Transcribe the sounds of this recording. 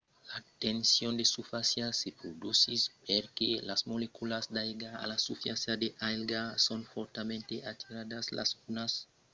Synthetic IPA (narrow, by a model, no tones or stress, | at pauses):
lat̪ensjond̪esufasjalsepɾod̪usispeɾkelasmolekulasd̪ajɡaa̰lasufjasjad̪eʔalɡasonfoɾt̪amẽnt̪eʔat̪ʰiɾad̪aslʔa̰sunas